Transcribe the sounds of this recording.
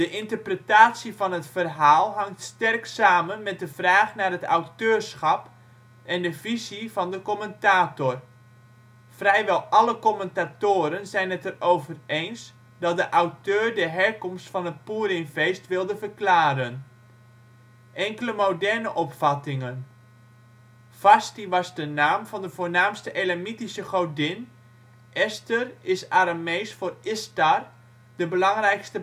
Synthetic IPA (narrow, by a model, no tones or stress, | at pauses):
d̥əʔɪntərprətaːtsivɑnətfərɦaːlˠɦɑŋtstɛrksaːmənmɛt̚dəv̥raːχnaːrɦəta̰wtøːrsxɑp | ɛndəvizivɑndəkoməntaːtor | frɛjʋɛlˠɑləkoməntatoːɾənzɛjnɛtərowvərejns | dɑt̚dəʔawtøːrdəɦɛrkɔmstfɑnət̚puːɾɪnfejstʋɪlˠdəfərklaːɾən | ʔɛŋkələmowdɛrnəʔɔpfɑtɪŋən | fastiʋɑzdənaːmvɑndəvoːrnaːmstəʔelamitisəχowdɪn | ʔɛstərɪsaɾamejsfoːrɪstar | d̥əbəlɑŋrɛjkstə